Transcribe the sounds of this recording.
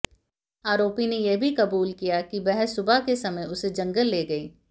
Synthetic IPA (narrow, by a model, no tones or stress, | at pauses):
aːɾoːpinejebʱikɐbuːlkijakibɛɦɛsːʊbakesɐməjʊsed͡ʒɐ̃ŋɡəlːeːɡɐiː